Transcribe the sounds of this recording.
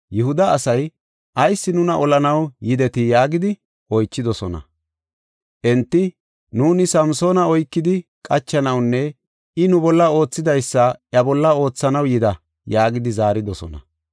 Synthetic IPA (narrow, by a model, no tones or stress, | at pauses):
jɛhʊd̪ɐːsɐj | ʔɐjsːɪnʊnɐʔɔlɐnɐwjɪd̪ɛt̪ɪjaːɡɪd̪ɪ | ʔɔjt͡ʃːɪd̪ɔsɔnɐ̰ | ʔɛnt̪ːɪ | nuːnɪsɐmso̞ːnɐɔjkːɪd̪ɪkʼɐt͡ʃːɐnɐwnːɛ | ɪnʊbɔlːɐo̞ːt͡sːɪd̪ɐjsːɐjɐbɔlːɐo̞ːt͡sːɐnɐwjɪd̪ɐ | jaːɡɪd̪ɪzaːɾɪd̪ɔsɔ̰nɐ̰